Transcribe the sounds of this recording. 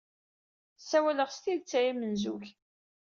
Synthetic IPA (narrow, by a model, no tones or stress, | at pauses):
sːæwæləʁst̪iðt͡sːæimənzuç